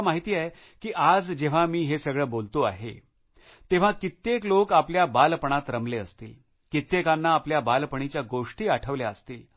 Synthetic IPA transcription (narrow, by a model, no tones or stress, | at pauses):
maɦit̪iːae | kiːʔad͡zd͡ʑeʋ̤amiːɦesəɡɭəːbolt̪oa̰ɦḛ | t̪eʋ̤akit̪ːeklokapljabalpəɳ̃at̪ɾəmleəst̪iːl | kit̪ːekanːaːpljabalpəɳ̃it͡ɕjaɡoʂʈiːaʈʰəʋljaəst̪iːl